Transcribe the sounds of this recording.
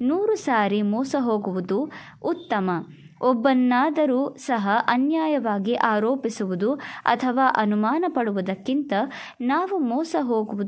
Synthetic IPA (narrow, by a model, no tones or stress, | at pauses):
nuːɾusaːɾimɔːsɐɦo̞ːɡuʋud̪uː | t̪ːɐmɐ | ɔbːɐnːaːd̪ɐɾuːsɐɦɐʔɐnjaːjɐʋaːɡiʔaːɾoːpisuʋud̪uɐ̰t̪ʰɐʋaːʔɐnumaːnɐpɐɽuʋud̪ɐkːint̪ɐ | naːʋumɔːsɐɦoːɡuʋud̪